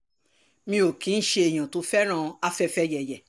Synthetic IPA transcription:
mĩ˧o˨kĩ˨˦n̩˦ʃe˧e˨j̃ã˨to˨˧˦fɛ˦ɾ̃ã˦˧a˦fɛ˧fɛ˦jɛ˨jɛ˨

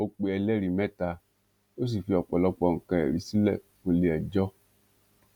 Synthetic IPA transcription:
o˧k͡pe˧˦ɛ˧lɛ˦˨ɾi˨mɛ˦ta˧ | o˦s̬i˨fi˧ɔ˨k͡pɔ˨lɔ˧k͡pɔ˧˨ŋ̩˨kã˧ɛ̰˨ɾi˧si˦lɛ̰˦˨ | ko˧le˨˦ɛ˨d͡ʒɔ˦

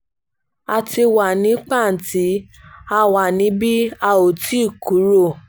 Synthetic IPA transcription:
a˨ti˧wa˨nĩ˨˦k͡pa˦˨n̩˨ti˨˦ | a˧wa˨nĩ˨˦bi˦a˦˧o˨tʰi˨˦˨ku˨˦ɾo˦˨

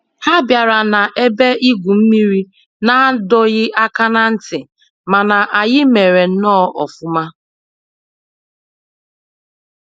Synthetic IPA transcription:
ha˦bja˨ɾa˨na˨ʔe˦be˦ʔi˦ɡʷu˨m̩˦mi˦ɾi˦ | na˦dɔ˦ɣɪ˦ʔa˦ka˦na˦n̩˦tɪ˨ | ma˨na˨ʔa˨jɪ˦me˨ɾe˨n̩˦nɔ˦ʔɔ̰˨fʊ˦ma˦

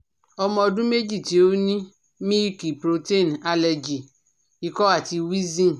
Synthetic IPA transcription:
ɔ˨mɔ̃˨dũ˦me˦d͡ʒi˦˨te˨˦wo˦nĩ˦ | mĩ˦ki˨pɾo˨te˦˨na˨lɛ˨d͡ʒi˨ | i˨kɔ˦a˦˨ti˧wi˦zĩ˦n˨

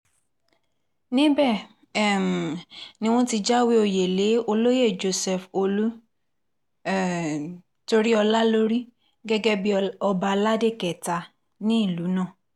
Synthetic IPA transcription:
nĩ˦bɛ˦˨ | ɛ˦˨m˨nĩ˦w̃ɔ̃˦ti˧d͡ʒa˦wi˦o˧je˨le˨˦o˧lo˦je˦˨d͡ʒo˧sɛ˨fo˧lu˦˨ | to˧ɾi˦ɔ˧la˦lo˦ɾi˦ | ɡɛ˦ɡɛ˦bi˦ɔ˧ba˧la˦de˦˨kɛ˨ta˧ | nĩ˦i˦˨lu˨˦nãː˦˨

